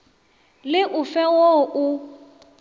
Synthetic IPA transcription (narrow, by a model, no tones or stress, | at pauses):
lɪʔʊfɛwoʔʊ